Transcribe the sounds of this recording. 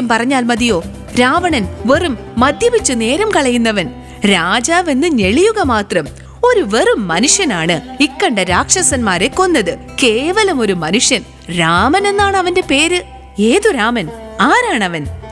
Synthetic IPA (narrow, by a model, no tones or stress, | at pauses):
umpɐrɐɲːaːlmɐðijo̞ː | ɾaːʋɐɳɐnʋe̞rumːɐd̪ʱjɐʋit͡ɕːune̞ːɾɐmkɐɭɐjunːɐʋɐn | ɾaːd͡ʑaːʋe̞nːɨɲe̞ɭijuɣɐmaːt̪rɐm | o̞ɾuʋe̞rumːɐnuʂjɐnaːɳɨikːɐɳɖɐɾaːkʂɐsɐnmaːɾe̞kːo̞nːɐðɨ | ke̞ːʋɐlɐmo̞ɾumɐnuʂjɐn | ɾaːmɐne̞nːaːɳɨɐʋɐnde̞pe̞ːɾɨ | e̞ːðuɾaːmɐnaːɾaːɳɐʋɐn